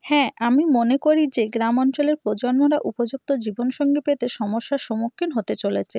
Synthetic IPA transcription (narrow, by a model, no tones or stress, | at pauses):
hɛ̃amimonekoɾid͡ʑeɡɾamɔnt͡ɕoleɾpɾod͡ʑoɾmoɾaʔupod͡ʑuk̚t̪od͡ʑibonʃɔŋɡepet̪eʃɔmoʃːaʃomokʰːinɦot̪et͡ɕolet͡ɕʰe